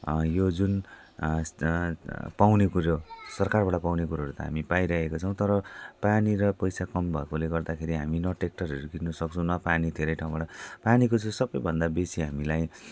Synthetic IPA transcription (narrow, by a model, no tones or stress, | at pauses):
jod͡zun | pawnekuɾosʌrkarbaɽapawnekuɾaɦːɾut̪ʌ̰ɦa̰mipajɾakekot͡sʰʌw̃t̪ʌɾʌpaniɾʌpʌjsakʌmbʱʌekoleɡʌrd̪akʰeɾiɦaminʌʈek̚ʈʌrɦʌɾuɡirnʌsʌk̚t͡sʰʌ̃w̃nʌpanid̪ʱeɾʌjʈʰaw̃baɽapanikot͡sʰʌsʌbʌjbʱʌnd̪abesiɦamilaj